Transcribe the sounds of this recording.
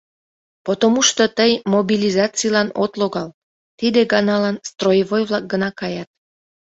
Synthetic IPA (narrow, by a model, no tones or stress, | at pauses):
pot̪omuʃt̪ot̪əjmobilʲizɑt͡sijlɑnot̪loɣɑl | t̪id̪eɡɑnɑlɑnst̪rojəβojβlɑk̚ɡənɑkɑjɑt̪̚